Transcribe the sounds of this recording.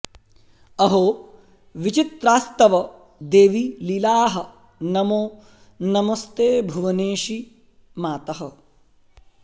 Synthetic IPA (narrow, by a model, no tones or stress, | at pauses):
ɐɦoː | ʋit͡ʃit̪ɾaːst̪ɐʋɐ | d̪eːʋililaːɦɐ | nɐmoː | nɐmɐst̪eːbʱuʋɐneːʃi | maːt̪ɐɦɐ